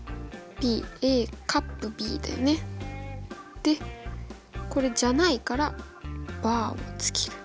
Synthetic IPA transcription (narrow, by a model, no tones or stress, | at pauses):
b̥ʲiːeːkʰapːɯ̟bʲḭːd̪ḛne̞ | d̪̥e̞ | ko̞ɾe̞d͡ʑanaikaɾa | b̥aːo̞̰t͡sɨ̥kʲi̥ɾɯ̟̥